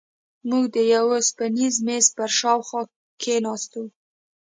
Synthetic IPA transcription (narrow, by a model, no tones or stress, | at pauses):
muɡd̪əjawspanizmes̚pəɾʃɑwxɑ | kʰenɑst̪u